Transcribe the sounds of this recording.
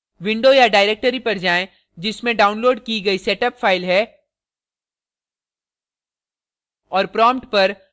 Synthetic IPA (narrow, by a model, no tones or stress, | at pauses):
ʋɪ̃ɳɖojaɖaːɪɾeːk̚ʈəɾipɐɾd͡ʒaːẽ | d͡ʒɪsmẽɖaːʊ̃nloːɖkiɡɐisɛːʈəpfaːɪlɦɛː | ɔːɾpɾɔːmʈpɐɾ